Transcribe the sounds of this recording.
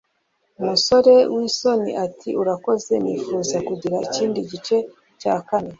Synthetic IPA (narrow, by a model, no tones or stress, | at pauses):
umuso̞ɾe̞wʔiso̞nḭʔatʰiuɾako̞ze̞niːfuːzakuɟiɾaiciːndiɟit͡ʃe̞ | caːkane̞